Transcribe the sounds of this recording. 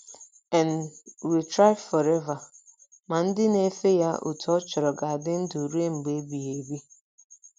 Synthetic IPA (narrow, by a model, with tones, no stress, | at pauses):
ɛ˨nwi˨tɾa˦ɪ˦fɔ˨ɾɛ˦va˨ | ma˨n̩˦dɪ˦ne˨˦fe˦ja˦ṵ˨tu˨ɔ˦t͡ʃɔ˨ɾɔ˨ɡa˨a˨dɪ˦n̩˦du˨ɾe˦ŋ͡m̩˨ɡ͡be˦bi˨e˨bi˦